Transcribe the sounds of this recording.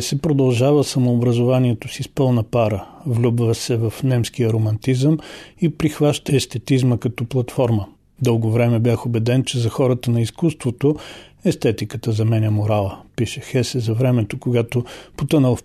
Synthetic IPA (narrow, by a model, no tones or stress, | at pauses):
sɛpɾod̪ɐlˠʒavəsɐmoːbɾɐzovaniɛt̪osispɤlˠnɐpaɾəvlʲubvəsɛvɐfnɛmsk̟iəɾomɐnt̪izəmipɾixvaʃt̪əɛst̪ɛt̪izməkɐt̪ɔplˠɐt̪fɔɾmə | d̪ɤlˠɡovɾɛmɛbjaxobɛd̪ɛnt͡ʃɛzɐxɔɾət̪ənɐiskust̪vot̪oɛst̪ɛt̪ikət̪əzɐmɛnʲɐmoɾalˠəpiʃɛxɛsɛzɐvɾɛmɛt̪okoɡat̪opot̪ɤnəlˠ